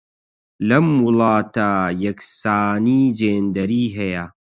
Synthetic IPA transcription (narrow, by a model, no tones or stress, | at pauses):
lɐmwʊlɑːt̪ajɐksaːniːd͡ʒeːnd̪ɐɾiːɦɐja